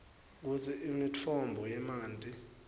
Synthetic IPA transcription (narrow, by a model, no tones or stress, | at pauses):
k̬utʰiimit͡fʰɔmbʱɔjɛmaːntʼi